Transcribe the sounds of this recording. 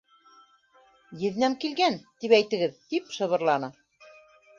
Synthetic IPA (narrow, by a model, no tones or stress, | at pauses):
jɘ̆ðnæmkilɡænt̪ipæjt̪ɘ̆ɡɘðt̪ipʃɤ̆βɤ̆ɾlˠɑnɤ